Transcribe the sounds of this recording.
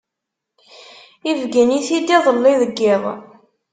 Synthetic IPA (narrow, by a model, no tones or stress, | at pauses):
ivɡiniθid̪iðˤəlːiðəɡːɪðˤ